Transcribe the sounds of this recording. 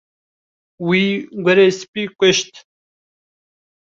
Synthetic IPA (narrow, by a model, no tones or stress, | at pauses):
wiːɡʷɐɾespikʷeʃt̪